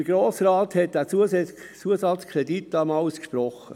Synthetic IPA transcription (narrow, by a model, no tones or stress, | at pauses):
ɡ̥ɾoːsrɑːthɛt̚d̥æːt͡suəsɛ | t͡suəsɑt͡skʰɾeditːdɑmɑʊskʃprɔχə